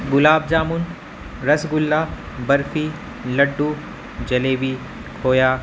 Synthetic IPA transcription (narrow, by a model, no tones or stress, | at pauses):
ɡʊlaːb̚d͡ʒaːmun | ɾɐsɡʊlːaː | bɐɾfiː | lɐɖːu | d͡ʒɐleːbiː | kʰoːjaː